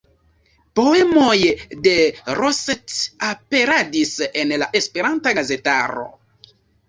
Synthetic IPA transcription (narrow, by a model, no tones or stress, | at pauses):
po̞e̞mojde̞ɾosetape̞ɾadise̞nlaʔe̞spe̞ɾantaɡaze̞ta̰ɾo̞̰